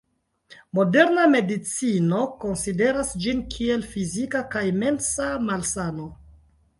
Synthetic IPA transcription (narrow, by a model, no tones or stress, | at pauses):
mo̞de̞ɾname̞dit͡sino̞ko̞nside̞ɾasd͡ʒinkʰie̞lfizikakajme̞nsamalsano̞